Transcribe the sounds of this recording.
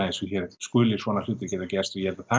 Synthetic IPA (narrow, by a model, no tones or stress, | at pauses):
asuçɛɾskʏːlɪsvɔːnal̥uːt̪ɪɾcɛːt̪acɛst̪ɔjɛɾt̪aθa